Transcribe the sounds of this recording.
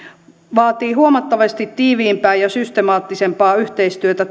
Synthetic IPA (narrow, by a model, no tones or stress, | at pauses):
ʋɑːt̪iːɦuomɑt̪ːɑʋɑst̪it̪tːiːʋiːmpæːjjɑsyst̪emɑːt̪ːisempɑːyht̪eist̪yøt̪æ